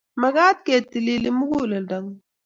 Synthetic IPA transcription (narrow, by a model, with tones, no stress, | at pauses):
mɐ˨ɡaː˦t̪̚keː˨t̪ːi˨li˦li˦mu˦ɡuː˦lɐ˨ldɐ˨ŋ